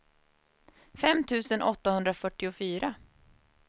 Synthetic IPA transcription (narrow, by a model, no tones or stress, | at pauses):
fɛmt̪ʰʉ̟ːsənʔɔt̪ːahɵnd̪ɾafœʈːɪʊfyːɾa